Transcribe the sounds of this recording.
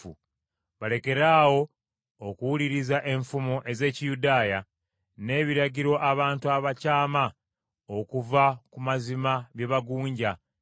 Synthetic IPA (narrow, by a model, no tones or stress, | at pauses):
ṵ | βale̞ke̞ɾaːwo̞ | okuwuliɾizaʔe̞ɱfumoʔe̞ze̞ːcijudaːja | ne̞ːβiɾaɟiɾo̞ʔaβaːntuaβacaːma | o̞kuvakumazimaβje̞βaɡuːɲɟa